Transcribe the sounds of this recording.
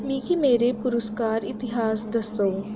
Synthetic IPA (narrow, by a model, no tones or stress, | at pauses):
mĩːkimeːɾepʊɾʊskaːɾɪt̪ɪɦaːsd̪ɐst̪oː